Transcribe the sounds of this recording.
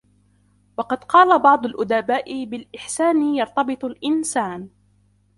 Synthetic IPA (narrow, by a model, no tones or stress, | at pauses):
wɑqɑd̪qɑːlabɑʕd̪ˤʊlʔʊd̪abaːʔɪbɪlʔɪħsaːnjɑɾˤt̪ˤɑbɨt̪ˤʊlʔɪnsaːn